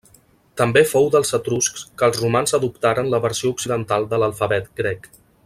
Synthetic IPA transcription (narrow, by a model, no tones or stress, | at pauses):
t̪əmbefowðəlˠzət̪ɾuskskəlˠzrumanzəðup̚t̪aɾənləβəɾsiouksiðənt̪alˠd̪ələlˠfəβɛt̪ɡɾɛk